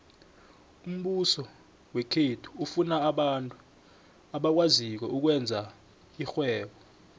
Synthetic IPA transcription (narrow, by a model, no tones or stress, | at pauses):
um̩ɓusɔ | wekʰetʰu̥ufunaːɓantʼu | aɓak̬wazik̬wɛuk̬wɛnd͡zʱa | ixwɛːɓɔ